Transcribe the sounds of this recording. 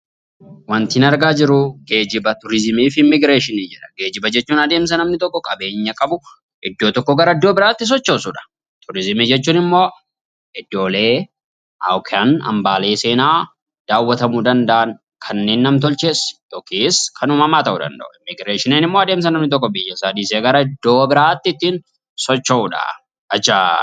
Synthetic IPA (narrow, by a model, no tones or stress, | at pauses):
wɐnt̪ɪɪnɐɾɡaːd͡ʒɪɾʊɡe̞ːd͡ʒɪbɐt̪ʊɾɪzɪmiːfɪmːɪɡɾeːʃɪnid͡ʒɛᶑɐ̥ɡe̞ːd͡ʒɪbɐd͡ʒɛt͡ʃːuːnɐd̪eːms̬ɐnɐmnɪt̪ɔkːɔkʼɐbe̞ːɲːɐkʼɐbʊ | ʔɪd̪ːoːt̪ɔkːɔɡɐɾɐɐd̪ːo̞ːbɪɾaːt̪ːɪs̬ɔt͡ʃːo̞ːsuːᶑɐ̥ | t̪ʰʊɾɪzɪmiːd͡ʒɛt͡ʃːuːnɪmːo̞ː | ɪd̪ːo̞ːle̞ː | ʔa̰wkʰɛɐnɐ̰mbaːle̞ːse̞ːnaː | d̪̥aːwːɐt̪ɐmuːd̪ɐnd̪ɐʔɐn | kʰɐnːe̞ːnːɐmt̪̬ɔlt͡ʃe̞ːsjoːkiːskʰɐnuːmɐmaːt̪ɐʔud̪ɐ̰nd̪ɐ̰ʔʊɪmːɪɡɾeːʃɪneːnɪmːo̞ːɐd̪e̞ːms̬ɐnɐmnɪt̪̬ɔk̬ːɔbɪjːɐsɐd̪iːseːɡɐɾɐɪd̪ːo̞ːbɪɾaːt̪ːɪɪt̪ːiːn | sɔt͡ʃːɐʊᶑɐ̰ | ɐt͡ʃːaː